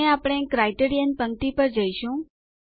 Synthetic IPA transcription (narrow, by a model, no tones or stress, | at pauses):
eapɽ̃ekɾajʈeɾijənpəŋt̪ipəɾd͡ʒəjʃũ